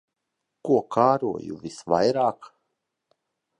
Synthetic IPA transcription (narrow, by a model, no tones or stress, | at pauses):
kuɔkʰaːɾṵɔ̰jṵvisva̰jɾaːk